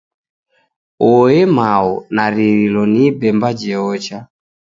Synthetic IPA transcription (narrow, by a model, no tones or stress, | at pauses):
ɔɛmaɔnaɾiɾilɔnibɛmbad͡ʒɛɔt͡ʃa